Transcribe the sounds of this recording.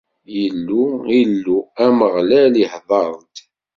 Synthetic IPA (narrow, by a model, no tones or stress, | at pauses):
jəlːuilːuæməʁlæliħðˤɑɾˤd̪